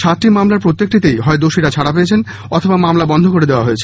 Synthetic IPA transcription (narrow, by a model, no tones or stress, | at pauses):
ʃat̪ːɾimamlaɾpɾot̪ːek̚ʈit̪ejɦɔed̪oʃiɾat͡ɕʰaɽapeet͡ɕʰen | ɔt̪ʰobamamlabɔnd̪ʱokoɾed̪eoaɦoet͡ɕʰe̥